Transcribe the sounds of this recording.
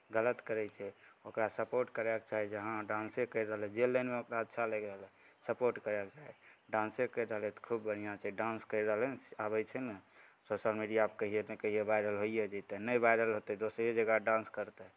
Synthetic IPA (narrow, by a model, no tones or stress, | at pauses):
ɡələt̪kəɾɛt͡ʃʰɛokɾasəpoɾʈkəɾɛk̚t͡ʃaɦɛd͡ʒəɦãɖãnsẽkəjɾəɦəlɛ̃d͡ʒelənmeokɾaəd̪ʃʰaleɡəɦlɛ̃ | səpoɾʈkəɾɛkt͡ʃaɦɛɖãnsekəɾɾəɦəlɛt̪ɔ̥kʰubbəɽ̤ijat͡ʃʰaɖãnskəɪɾəɦəlɛabɛt͡ʃʰɛnəsosəlmiɖijaːp̚kəɦiemekəɦiebaɪɾəlɦoijed͡ʒət̪ɛnəjbajɾəlɦot̪ɛd̪osɾed͡ʒəɡaɖãnskəɾt̪ɛ